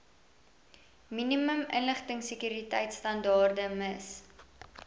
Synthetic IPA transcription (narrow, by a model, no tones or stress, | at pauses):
miniməmʔənləχtəŋsəkyɾitɛjtstɐndɑːrdəməs